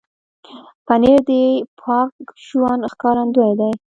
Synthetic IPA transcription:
paneɾd̪əpʰɑkʃuwɑnxkɑɾand̪ujajd̪aj

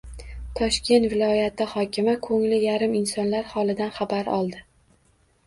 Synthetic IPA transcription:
t̪ʰɒʃkʲe̞nt̪vɪlˠɒjat̪ɪhɒkʲɪmakʰɵŋlɪjaɾɪmɪnsɒnlaɾhɒlˠɪd̪anχabaɾɒ̰lˠd̪ɪ

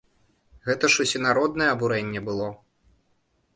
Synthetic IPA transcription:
ɣɛt̪ɐʂusʲɛnaɾɔd̪nɐjɛɐbuɾɛnʲːɛbɨlˠɔ

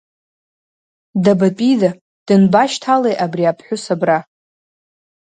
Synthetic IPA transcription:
dabapʼida | d̥ɨnbaʃtʰalejʔabriapʰħʷʊsabra

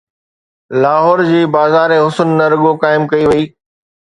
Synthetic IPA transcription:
laːɦɔːɾd͡ʑiːbaːzaːɾeɦʊsənːɐɾɐɠokaːɪmkɐiʋɐiː

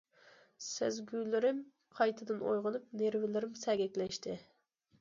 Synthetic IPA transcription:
sɪzɡʲylɪɾɪm | qʰɑjt̪ʰɨd̪ɨno̰jʁəlˠɨp̚neɾvɪlɪɾɪmsɛɡʲɛkʲlɛʃt̪ʰɪ

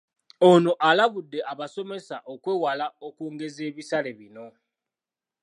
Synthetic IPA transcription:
ono̞ʔalaβudːe̞ʔaβaso̞me̞saʔokweːwalaokuːŋɡe̞ze̞ːβisale̞βino̞

